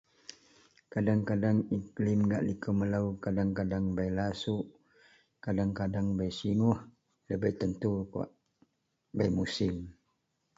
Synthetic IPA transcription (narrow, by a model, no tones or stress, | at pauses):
kadaŋkadaŋiklɪmɡaʔlikəməlaukadaŋkadaŋbajlasuʔ | kadaŋkadaŋbajsiŋuh | ləbəht̪ənt̪uko̰ʔ | bajmusɪm